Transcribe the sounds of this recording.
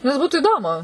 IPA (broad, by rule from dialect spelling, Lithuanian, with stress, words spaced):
nʲɛs ˈbuːtʊ ɪˈdoːmʊ